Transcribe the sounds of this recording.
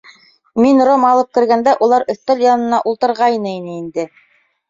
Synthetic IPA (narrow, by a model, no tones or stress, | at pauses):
minromɑlˠɤp̚kɘ̆ɾɡænd̪æʔulˠɑɾʔɵ̆θt̪æljɑnɤ̆nɑʔulˠt̪ɤ̆ɾʁɑjnɤinɘind̪ɘ